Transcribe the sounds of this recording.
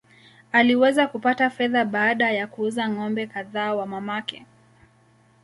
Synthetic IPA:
aliwɛzakupatafɛðaɓaːɗajakuuzaŋɔmbɛkaðaːwamamakɛ

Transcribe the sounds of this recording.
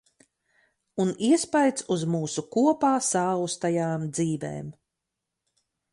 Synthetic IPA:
uniɛspajt̪suzmuːsukuɔpaːsaːust̪ajaːmd̪ziːvḛːm

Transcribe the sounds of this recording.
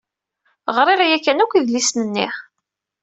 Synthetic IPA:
ʁɾˤeʁjækːænukʷiðlisnənːiχ

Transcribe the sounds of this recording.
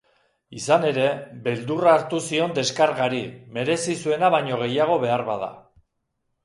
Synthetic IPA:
isane̞ɾe̞be̞ld̪uraːɾt̪usio̞nd̪e̞skaɾɣaɾime̞ɾe̞sisue̞naβajɲo̞ɣ̞e̞jaɣ̞o̞βe̞aɾβaða̰

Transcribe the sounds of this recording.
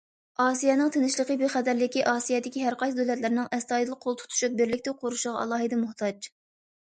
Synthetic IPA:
ɑːsijɛnɨŋt̪ʰenɪʃlˠəqəbeχæd̪æɾlɪkʲiʔɑːsijɛd̪ɪkʲiɦæɾqɑjsd̪ølɛt̪̬lɪɾnɪŋɛst̪ɑːid̪ɨlˠqʰolˠt̪ʰu̥t̪ʰu̥ʃup̚bɪɾlɪkʲt̪ɪqʰoɾuʃʁɑɑ̰lˠɑːɦɨd̪ɛmʊht̪ʰɑd͡ʒ

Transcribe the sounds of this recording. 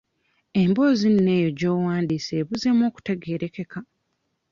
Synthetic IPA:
e̞mbo̞ːzinne̞ːjo̞ɟo̞ːwaːndiːseːβuze̞mo̞ːku̥teɡeːɾe̞ke̞ka

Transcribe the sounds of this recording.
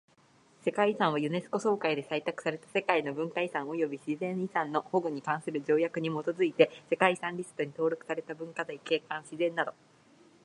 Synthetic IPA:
se̞kaisãɰ̃β̞ajɯ̟ne̞sɨ̥ko̞so̞ːkaid̪e̞sait̪akɯ̟saɾe̞t̪ḁse̞kaino̞bɯ̟̃ŋkaisãɰ̃o̞jo̞bʲiɕizẽ̞ɰ̃isãnːo̞ho̞ɡɯ̟ɲ̟ikãɰ̃sɨɾɯ̟d͡ʑo̞ːjakɯ̟ɲ̟imo̞t̪o̞zɨit̪e̞se̞kaisãɲɾʲisɨ̥t̪o̞ɲ̟it̪o̞ːɾo̞kɯ̟̥saɾe̞t̪abɯ̟̃ŋkazaike̞ːkãɰ̃ɕizẽ̞nːad̪o̞

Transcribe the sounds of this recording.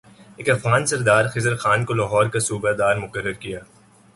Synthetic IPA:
eːkɐfɣaːnsɐɾd̪aːɾxɪzəɾxaːnkolaːɦɔːɾkasuːbad̪aːɾmʊkərːəɾkijaː

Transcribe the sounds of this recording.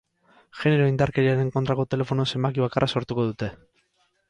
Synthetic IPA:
ʝe̞ne̞ɾo̞ind̪aɾke̞ɾiaɾeeŋko̞nt̪ɾako̞t̪e̞le̞fo̞nuse̞mbakiβ̞akarʔaso̞ɾt̪uko̞ðut̪e̞

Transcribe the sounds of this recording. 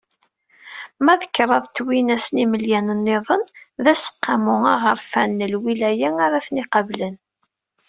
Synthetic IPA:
mæðəkːɾˤɑðˤt̪ːwinæsniməljænənːeðˤənðæsə̥qːɑmʊɑʁəɾfænːəlwilæjæŋaɾaθniqɑvlən

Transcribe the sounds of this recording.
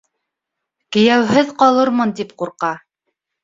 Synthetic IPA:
kɘ̆jæwɦɘðqɑlˠɤɾmɤnt̪ipquɾqɑ

